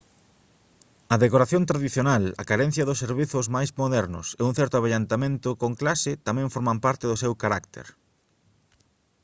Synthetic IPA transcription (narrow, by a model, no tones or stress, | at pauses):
ɐðekoɾaθjõnt̪ɾaðiθjonalɐ̰kaɾen̟θjɐðʊsːeɾβiθʊzmajzmoðɛɾnʊ̰seuŋ̟θɛɾt̪ʊaβaʎant̪amẽnt̪ʊkoŋklasɪt̪amɛ̃ɱfoɾmampaɾt̪ɪðʊsewkaɾak̚t̪ḛɾ